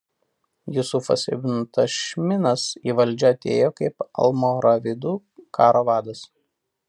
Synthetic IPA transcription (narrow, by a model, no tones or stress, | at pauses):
jʊsʊfɐ̰sʲɛ̰bʲnt̪ɐʃʲmʲɪnɐsiːʋɐlʲˑd͡ʒʲoɐt̪ʲeːjoːkɐɪpɐ̰lˠmoɾɐʋʲɪd̪uː | kɑːɾoːʋɑːd̪ɐs